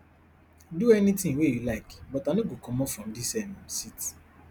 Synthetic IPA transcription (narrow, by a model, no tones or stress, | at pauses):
duɛnitɪ̃ŋwejulaɪkbɔtanoɡokɔmɔfɹɔ̃m̩disɛnãsiti̥